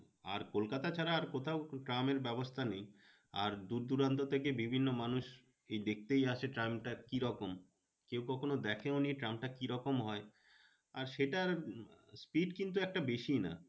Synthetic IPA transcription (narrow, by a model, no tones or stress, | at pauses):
a̰ɾkolkat̪at͡ɕʰaɾaːɾkot̪ʰaoʈɾameɾbɛbost̪ʰanej | a̰ɾd̪uɾd̪uɾant̪ot̪ʰekebibʱinːomanuʃ | ejd̪ek̚ʰt̪ejat͡ɕʰeʈɾajmʈakiɾɔkom | kewkɔkʰonod̪ɛkʰeonieʈɾamʈakiɾɔkomɦɔe | aɾʃeʈaɾspiɖkint̪̬uɛk̚ʈabeʃina̰